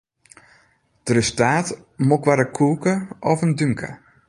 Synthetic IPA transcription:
d̥ərestaːt | mokʋaɾəkʰuːkəʔɔfəndyŋkʰə̰

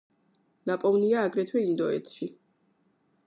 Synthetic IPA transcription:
napʼɔvniaːɡɾɛt̪ʰwɛind̪ɔɛ̰t̪ʰʃi

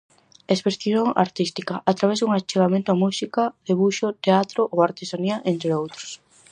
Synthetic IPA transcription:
espeɾθjoŋa̰ɾt̪ist̪ikaʔat̪ɾaβezd̪uŋat͡ʃeɣamẽnt̪oamusikaðeβuʃot̪eat̪ɾoʔowaɾt̪esaniaʔent̪ɾeowt̪ɾo̥s

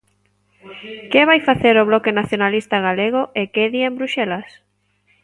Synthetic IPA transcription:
keβajfaθeɾoβlɔkenaθjonalist̪aɣaleɣ̞oʔekeðiembɾuʃɛlas

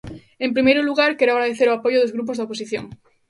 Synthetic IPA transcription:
e̞mpɾimejɾoluɣ̞aɾkeɾoaɣɾaðeθeɾoapoʝoðlozɣɾup̬o̞zðoposiθjo̰ŋ

